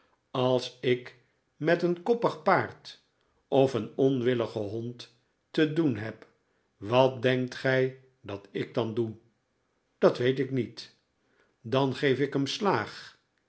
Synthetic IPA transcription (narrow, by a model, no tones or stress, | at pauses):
ɑlˠsɪk | mɛtənkɔpəχpaːɹt | ʔɔfənɔnʋɪləχəɦɔntː | ədunɦɛp | ʋɑt̚dɛŋk̚tχɛj | dɑtɪɡ̚dɑndu | d̥ɑtʋejtɪknit | dɑnχejfɪkɦəmslaːχ